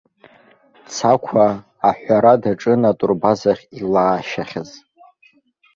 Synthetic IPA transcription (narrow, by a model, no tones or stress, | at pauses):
t͡sʰakʷʰaː | ħʷᶣaɾadaʈ͡ʂʼɨnatʼʊrbazaχʲilaːʃaχʲaz